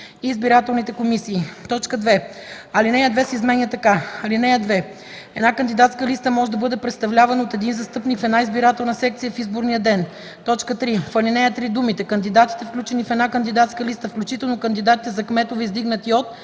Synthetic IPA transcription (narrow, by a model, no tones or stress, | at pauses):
iːzbiɾat̪ɛlˠnit̪ɛkomisiːt̪ɔt͡ʃkəd̪vɛɐlinɛjəd̪vɛsɛizmɛnjət̪ɐkaɐlinɛjəd̪vɛ | ɛd̪nakənd̪id̪at̪skəlist̪əmɔʒɛd̪ɐbɤd̪ɛpɾɛt̪st̪ɐvlʲavɐnəot̪ɛd̪inzɐst̪ɤpnikfɛd̪naizbiɾat̪ɛlˠnəsɛk̚t̪sijəfizboɾnijəd̪ɛn | t̪ɔt͡ʃkət̪ɾifɐlinɛjət̪ɾid̪umit̪ɛkɐnd̪id̪at̪i̥t̪ɛfklʲut͡ʃɛnifɛd̪nakənd̪id̪at̪skəlist̪əfklʲut͡ʃit̪ɛlˠnokənd̪id̪at̪it̪ɛzɐkmɛt̪ovɛizd̪iɡnət̪iot̪